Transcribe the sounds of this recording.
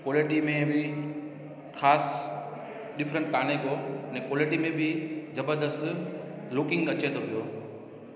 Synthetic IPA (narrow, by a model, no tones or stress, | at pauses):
koːlɪʈimẽbʱɪ | xʰaːs | ɗɪfʰɾə̃ɳʈ̚kaːneɡonɛ̃ːkoːlɪʈimẽbʱɪzɐbəɾd̪əst̪ | lʊkɪ̃ŋɡɐt͡ɕet̪ʰopijoː